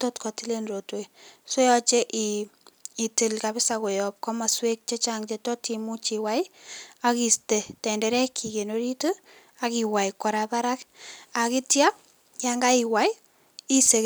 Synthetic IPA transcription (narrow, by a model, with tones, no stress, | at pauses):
to˦tkɔ˨ti˦le˦nɾotwe˨so˦jɔ˦t͡ʃe˦ʔiː˨ | ti˨lkapɪ˦sako˨jɔp̚kɔ˦ma˨swe˦k̚t͡ʃe˦t͡ʃaŋt͡ʃetɔ˦timu˦t͡ʃi˨wajaki˨ste˨tɛ˨ndɛɾɛ˦kʰi˨ke˨noɾi˦to | akiwa˨jkɔ˨ɾapa˦ɾaka˨kitja˦ | jaŋɡa˦i˨wa˨j | i˦se˨